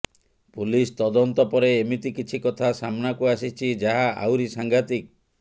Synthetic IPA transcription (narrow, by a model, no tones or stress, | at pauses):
pulist̪ɔd̪ɔnt̪ɔpɔɾeːmit̪ikit͡ʃʰikɔt̪ʰasamnakuasit͡ʃʰid͡ʒaɦaʔa̰wɾisaŋɡʱat̪ik̚